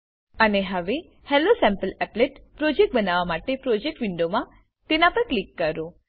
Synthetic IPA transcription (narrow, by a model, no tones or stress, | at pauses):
əneɦəʋe | hɛlosɛ̃mpəlɛpleʈpɾod͡ʒek̚ʈ̚bənaʋamaʈepɾod͡ʒek̚ʈʋiɳɖomã | t̪enapəɾklikːəɾo